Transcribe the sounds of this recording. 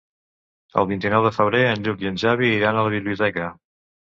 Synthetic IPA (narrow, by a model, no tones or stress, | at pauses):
ə̰lˠβint̪inɔwðəfəβɾeənʎukjənʲʒaβiːɾanələβiβliut̪ɛkə